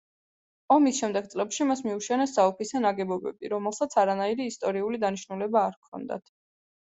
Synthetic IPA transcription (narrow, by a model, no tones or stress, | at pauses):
ɔmisʃɛmd̪ɛɡ̪̚sʼlɛpʃimasmiuʃɛnɛsaɔpʰisɛnaɡɛbɔbɛ̰biɾɔmɛlˠsat̪sʰaɾanaiɾiːst̪ʼɔɾiulid̪aniʃnulɛbaːɾkʰɔ̰nd̪a̰t̪ʰ